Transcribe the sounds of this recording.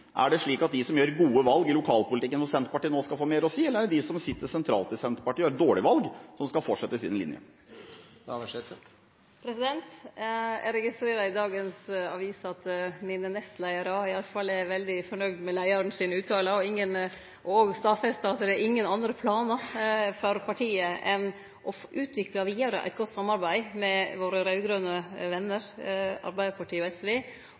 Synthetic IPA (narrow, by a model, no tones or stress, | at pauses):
ʔæ̰ɖɛʂɭiːkɑt̪̚d̪ɪsɔmjøːɾɡuːəʋɑlɡɪlʊkʰɑːlpʊlt̪ɪkːənsɔsɛnt̪ɾəpɑʈiːənoːskɑlfoːmeːɾɔsiːɛləɾæɖd̪ɪsɔmsɪt̪ːəsɛnt̪ʰɾɑ̰ːlt̪ɪsɛnt̪əpɑʈiːɾd̪oːɭɪʋɑlɡsɔmskɑlfɔʈʂɛt̪ːəɪsḭnəlɪ̰njə̰ | ɛt̪ | pʰɾɛsɪd̪ɛnt̪ | ɛ̰ɾɛɡɪst̪ɾeːɾɑɪd̪ɑːɡənsɑʋiːsɑt̪miːnənɛst̪læɪəɾəɪɑləfɑlːɛɾʋɛld̪ɪfɔɳœʋd̪mɛlæɪɑɾənsɪnʉːt̪ʰɑːləɔɪŋːən | ʔɔoːɡst̪ɑːfɛst̪ɑːt̪əd̪ɛɾʔɪŋːənɑnd̪ɾəpʰlɑːnəfɔɾpʰɑʈʰiːəʔɛn | ʔɔʔʉːt̪ʰʋɪklɑʋiːɑɾə̰ʔæ̰ɪt̪ɡɔt̪ːsɑmːɑɾbæɪmɛʋoːɾəɾɑʉɡɾøːnəʋɛnːəɾɑ̰ɾbæɪd̪əpʰɑʈiːɔɛsʋeː